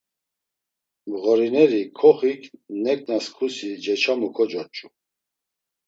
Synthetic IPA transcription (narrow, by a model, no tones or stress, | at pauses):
mɣɔɾinɛɾikʰɔχikʰnɛkʼnaskʰusid͡ʒɛt͡ʃʰamukʰɔd͡ʒɔt͡ʃʼu